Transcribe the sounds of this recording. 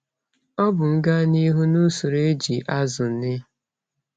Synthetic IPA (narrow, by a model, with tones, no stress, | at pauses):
ɔ˦bʊ˨ŋ̩˦ɡa˦ni˦ɦu˦nu˦su˨ɾe˦d͡ʒi˨ʔa˦zʊ˨nɪ˦